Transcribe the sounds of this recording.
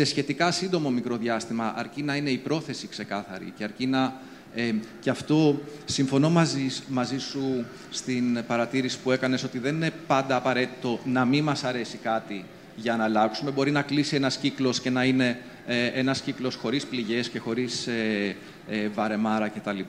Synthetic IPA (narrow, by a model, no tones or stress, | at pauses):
se̞sçe̞t̪ikɐsind̪o̞mo̞mikɾo̞ðʝɐst̪imɐʔɐɾcinɐine̞ipɾo̞θe̞sikse̞kɐθɐ̰ɾḭceɐɾcinɐ | eceɐft̪o̞siɱfo̞no̞mɐzimɐzisu | st̪inpɐɾɐt̪iɾisi̥pue̞kɐne̞so̞t̪iðe̞nine̞pɐnd̪ɐːpɐɾe̞t̪it̪o̞nɐmimɐsɐɾe̞sikɐt̪i | ʝɐnɐlɐksume̞bo̞ɾinɐklisie̞nɐsciklo̞sce̞nɐine̞ | eʔenɐsciklo̞sxo̞ɾispliʝe̞sce̞xo̞ɾise | evɐɾe̞mɐɾɐce̞t̪ɐlip